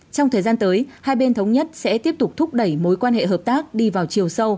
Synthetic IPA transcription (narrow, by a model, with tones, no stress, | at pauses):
t͡ɕɔ˧wŋ͡mt̪ʰəː˨˩zaː˧nt̪əː˨˦jhaː˧jɓe˧nt̪ʰə˨˦wŋ͡mɲə˦˥t̚sɛ̰˧˥t̪i˦˥əp̚t̪ʊ˨˩k͡p̚t̪ʰʊ˦˥k͡p̚ɗə˧˩jmo˨˦jkwaː˧nɦḛ˧˨ɦəː˨˩p̚t̪aː˦˥k̚ɗi˧vaː˨˩wt͡ɕi˨˩əwsə˧w